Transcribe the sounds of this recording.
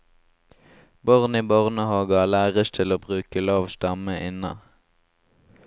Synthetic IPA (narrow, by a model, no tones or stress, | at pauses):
bɔʁniːbɔʁnəhɑːɡɑlæːʁəst̪ʰɪloːbʁʉːkəlɑːʋst̪ɑməʔɪnɑ̰